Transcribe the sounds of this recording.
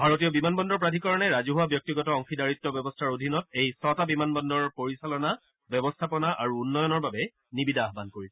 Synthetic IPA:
bʱaɹotijɔbimanbɔndɔɹpɹadʱikɔɹɔnɛɹazuɦuwabjɔk̚tiɡɔtɔɔŋxidaɹitːɔbjɔbɔstʰaɹodʱinɔt̚ejsɔtabimanbɔndɔɹpoɹisalɔna | bɔbɔstʰapɔnaʔaɹuːnːɔjɔnɔɹbabɛ | nibidʱaːɦbankoɹisɛ

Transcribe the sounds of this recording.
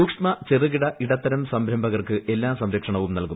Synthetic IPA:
uːkʂmɐt͡ɕerɨɣiɽɐʔiɽɐt̪ːɐɾɐmsɐmbɾɐmbʱɐɣɐrkɨʔe̞lːaːmsɐmɾɐkʂɐɳɐʋumnɐlku

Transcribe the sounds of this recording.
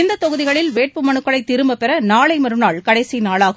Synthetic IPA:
ɪnd̪ɐt̪ɔɣɯðɪɣɐɭɪlʋeːʈ̚pɯmɐnɯkːɐɭɐɪt̪ːɪɾɯmbɐpɛɾɐnaːɭɐɪmɐɾɯnaːɭkɐɽɐɪsinaːɭaːɣɯ

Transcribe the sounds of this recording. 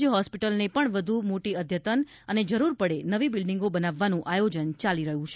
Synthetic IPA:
d͡ʒɦɔspiʈəlnepəɳʋəd̪ʱumoʈiəd̪ʱjət̪ən | əned͡ʒəɾuɾpəɽenəʋibilɖiŋɡobənaʋːanũʔajod͡ʒənt͡ʃaliɾəɦũt͡ʃʰe

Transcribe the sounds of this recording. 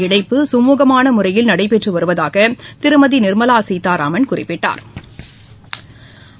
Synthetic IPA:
ɪɽɐɪpːɯsʊmuːɣɐmaːnɐmʊrɐjɪlnɐɽɐɪp̬ːɛʈrɯʋɐɾɯʋɐðaːɣɐt̪ɪɾɯmɐðinɪɾmɐlaːsiːt̪aːɾa̰ːmɐnkʊrɪ̰pːɪʈːa̰ːɾ

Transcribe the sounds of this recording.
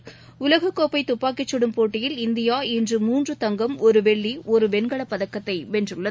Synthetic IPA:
ʊlɐɣɐkːoːpːɐɪt̪ːʊpːaːkːɪt͡ʃːɔɽɯmpoːʈːɪjɪlɪnd̪ɪjaːɛndrɯmuːndrɯt̪ɐŋɡɐmɔɾɯʋɛɭːiʔɔɾɯʋɛnɡɐɭɐpːɐðɐkːɐt̪ːɐɪʋɛndrɯɭːɐðɯ

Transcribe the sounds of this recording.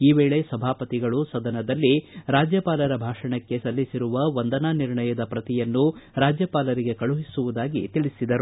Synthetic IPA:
iːʋeːɭe̞sɐbʱaːpɐt̪iɡɐɭusɐd̪ɐnɐd̪ɐlːiɾaːd͡ʒjɐpaːlɐɾɐbʱaːʂɐɳɐkːe̞sɐlːisiɾuʋɐʋɐnd̪ɐnaniɾɳɐjɐd̪ɐpɾɐt̪ijɐnːuɾaːd͡ʒjɐpaːlɐɾiɡe̞kɐɭuɦisuʋud̪aːɡḭt̪iɭisid̪ɐɾu

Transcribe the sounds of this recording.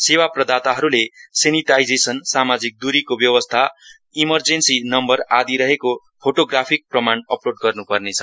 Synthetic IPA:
sewaprʌd̪at̪aɦʌɾuleseniʈajd͡zesʌnsamad͡zik̚d̪uɾikobjʌwʌst̪ʰa | imʌrd͡zensinʌmbʌrad̪iɾʌɦeko | pʰoʈoɡrapʰik̚prʌmanʌploɖ̚ɡʌrnupʌrnet͡sʰʌ

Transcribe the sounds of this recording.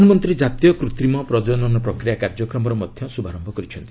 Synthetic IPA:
nɔmɔnt̪ɾid͡ʒat̪ijɔkɾut̪ɾimɔpɾɔd͡ʒɔnɔnɔpɾɔkɾijakaɾd͡ʒɔkɾɔmɔɾɔmɔd̪ʱjɔsubʱaɾɔmbʱɔkɔɾit͡ʃʰɔnt̪i̥

